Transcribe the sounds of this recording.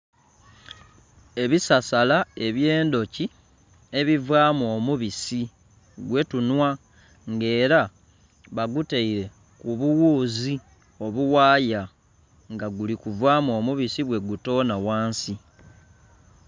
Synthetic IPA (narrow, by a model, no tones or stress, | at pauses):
e̞βisasalae̞βje̞ːndo̞ci | e̞βivwaːmuomuβisi | ɡwe̞tunwa | ŋɡe̞ːɾa | βaɡuteiɾe̞ | kuβuwuːzi | o̞βuwaːja | ŋɡaɡulikuvwaːmuo̞muβisiβwe̞ɡuto̞ːnawaːnsi